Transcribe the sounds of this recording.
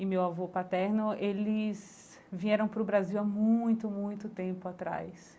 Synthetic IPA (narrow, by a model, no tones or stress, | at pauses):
ɪmewavopat̪ɛɾnʊelɪs | vĩɛɾɐ̃w̃pɾʊbɾaziwamũj̃t̪ʊmũj̃t̪ʊt̪ẽmpʊat̪ɾa̰js